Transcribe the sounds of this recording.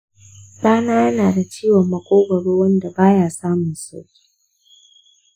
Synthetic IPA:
ɗaː˦naː˦jɐ˦naː˨da˨t͡ʃiː˦wɔ˨mːɐ˨kʷʼoː˦ɡʷɐ˨ɽoː˦wɐ˦nda˨baː˦jaː˦saː˦mʊ˨nsa̰˦wkʲi̥ː˦

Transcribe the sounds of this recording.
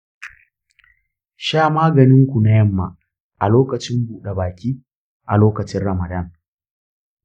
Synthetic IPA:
ʃaː˦˨maː˦ɡɐ˨nɪ˦ŋkʷu˨na˦jɐ˦˨mːa̰˨ | ʔa̰˨loː˦kɐ˨t͡ʃɪ˦mbuː˨ɗe˨baː˨kʲiː˦ | ʔa˨loː˦kɐ˨t͡ʃɪ˦nɽɐ˨mɐ˨dɐ˦˨ŋ

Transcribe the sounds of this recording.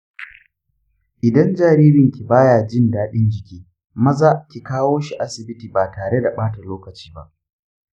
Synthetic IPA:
ʔɪ˨dɐ˦nd͡ʒaː˨ɾiː˦ɾɪ˨ŋkʲi˨baː˦jaː˨d͡ʒɪ˦ndaː˦ɗɪ˦nd͡ʒɪ˨kʲiː˦ | mɐ˦zaː˦kʲi˨kaː˦woː˦ʃi˨ʔa˦sɪ˨bɪ˦tiː˨baː˨taː˨ɽe˦da˨ɓaː˦ta˨loː˦kɐ˨t͡ʃi̥ː˦ba̰˦ʔ

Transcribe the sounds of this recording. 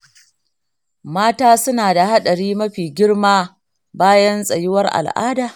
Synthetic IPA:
maː˦taː˦sʊ˦naː˨da˨ha˦ɗɐ˨ɽiː˦mɐ˦ɸiː˨ɡʲɪ˦ɽmaː˦ | baː˦jɐ˦nsʼɐ˨jɪ˦wɐ˦rʔa̰˨lʔa̰ː˦daː˨

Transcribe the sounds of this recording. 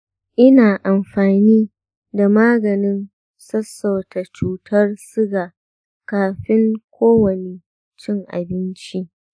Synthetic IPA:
ʔɪ˦naː˨ʔa˨mɸaː˨niː˦ | da˨maː˦ɡɐ˨nɪ˦n | sɐ˦sːɐ˨wta˨t͡ʃuː˨tʰɐ˦rsɪ˦ɡaː˨ | kaː˨ɸɪ˦ŋkʷoː˦wɐ˨ne˨ | t͡ʃɪ˦ŋʔa̰˨bɪ˦nt͡ʃi˦ʔ

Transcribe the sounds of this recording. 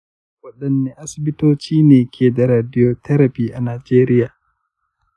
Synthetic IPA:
wɐ˨ɗɐ˦˨nːe˦ʔa˦sɪ˨bɪ˦toː˦t͡ʃiː˦neː˨kʲʰeː˨da˨ɾaː˨dɪ˦joː˦tɐ˦ɾɐ˨ɸiː˦ʔa˨naː˨d͡ʒeː˦ɾɪ˦jaː˨

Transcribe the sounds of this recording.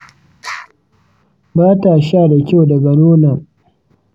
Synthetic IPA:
baː˦taː˨ʃaː˦˨da˨kʲa˦wda˨ɡɐ˨noː˦na˨

